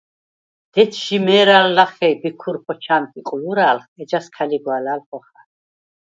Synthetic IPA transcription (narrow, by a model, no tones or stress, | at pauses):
d̪̥ɛt̪ʰʃimɛːɾalːaχɛjbikʰuɾpʰɔt͡ʃʰant̪ʼiqʼujuɾaːlχɛd͡ʒaskʰaliɡwaːlaːlχɔχa